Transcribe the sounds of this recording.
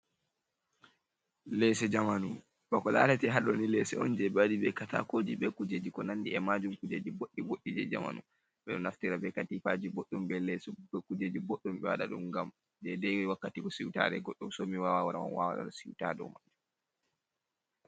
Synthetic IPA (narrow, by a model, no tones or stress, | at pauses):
lɛsɛd͡ʒamanu | b̥ɔkɔla̰ːlatɛɦaɗɔnilɛsɛɔnd͡ʒɛbadibɛkata̰kod͡ʒiɓɛkud͡ʒed͡ʒikɔnanːdiɛmad͡ʒumkud͡ʒed͡ʒiboɗːiɡoɗːid͡ʒɛ̰d͡ʒa̰ma̰nṵ | ɓɛɗɔnaftiɾabɛkatifad͡ʒiboɗːumbɛlɛsɛbɛkud͡ʒed͡ʒibɔɗːɔmɓɛwa̰ɗa̰ɗumɡam | d͡ʒɛdɛwwakːatikɔsiwta̰ːɾɛ̰ɡɔɗːɔmsɔmiwawawaɗawa̰nwa̰wa̰ɗa̰ɗɔsiwtadɔ̰maɗɛ